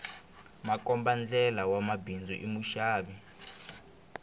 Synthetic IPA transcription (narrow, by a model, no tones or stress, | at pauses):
makɔmband͡ɮɛlawamabind͡zɔʔimuʃaːɓɛ